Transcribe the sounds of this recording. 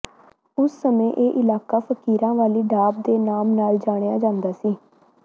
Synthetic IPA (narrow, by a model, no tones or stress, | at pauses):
ʊsːəmẽːʔeːʔɪlaːkaːpʰəkiːɾãːʋaːliːɖaːb̚d̪eːnaːmnaːld͡ʒaːɽ̃eaːd͡ʒãːnd̪aːsiː